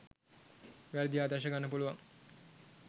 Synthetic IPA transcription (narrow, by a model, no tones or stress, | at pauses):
ʋæɾəd̪ijaːd̪aʃ̬əɡanːəpuluʋaŋ